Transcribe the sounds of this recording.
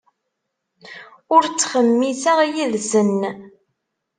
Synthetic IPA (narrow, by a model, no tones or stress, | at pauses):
ʊɾt͡sːχəmːisəʁijiðsənː